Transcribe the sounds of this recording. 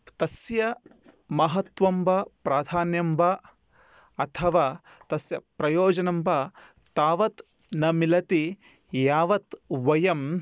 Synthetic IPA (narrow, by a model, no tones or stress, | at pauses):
t̪ɐsjɐ | mɐɦɐt̪ʋɐmbɐpɾaːd̪ʱaːnjɐmbɐ | ɐt̪ʰɐʋaː | t̪ɐsjɐpɾɐjoːd͡ʒɐnɐmbɐ | t̪aːʋɐt̪ | nɐmilɐt̪i | jaːʋɐt̪ʋɐjɐm